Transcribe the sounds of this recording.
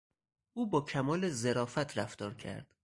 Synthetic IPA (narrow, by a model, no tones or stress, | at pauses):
ʔuːbɒːcʰæmɒːlezeɾɒːfæt̪ʰɾæft̪ɒːɾcʰæ̰ɾd̪̥